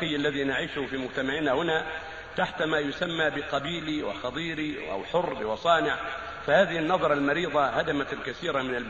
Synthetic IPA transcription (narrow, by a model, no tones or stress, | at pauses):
ɪjːalːaðinaʕiːʃʊfiːmʊd͡ʒt̪amaʕinahʊna | t̪aħt̪maːjʊsamːabɪqɑbiːliwɪ̰xɑt̪ˤiːɾiʔa̰wħʊrːbɪwɑsˤɑːnɪʕ | fahaːðɪhɪnːɑðˤɑɾˤɑlmɑɾiːðˤɑhad̪amat̪alkaθiːɾamɪnal